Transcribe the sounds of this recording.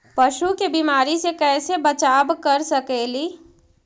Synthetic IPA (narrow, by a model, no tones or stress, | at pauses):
pɐʃukebimaːɾisekɛːsebət͡ʃaːbkɐɾsɐkeːliː